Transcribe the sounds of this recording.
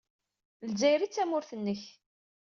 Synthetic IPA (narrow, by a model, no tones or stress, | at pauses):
lzæjɾit͡sːæmʊɾθənːəç